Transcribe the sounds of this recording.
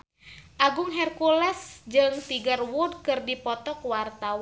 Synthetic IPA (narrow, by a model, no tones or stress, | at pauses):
ʔaɡʊŋɦɛrkulɛsd͡ʒɨŋt̪iɡərwudkɨrdipɔt̪ɔkwart̪aw